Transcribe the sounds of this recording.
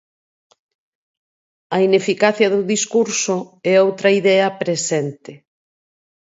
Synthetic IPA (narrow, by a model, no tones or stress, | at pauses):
ɐinefikaθjɐðʊðiskuɾsoɛowt̪ɾɐiðɛɐpɾesɛnt̪ɪ